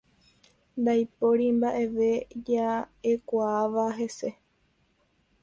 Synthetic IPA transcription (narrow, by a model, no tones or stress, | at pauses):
nd̪ajpoɾimbaʔe̞ʋe̞d͡ʒaekʷaːʋaɦe̞se̞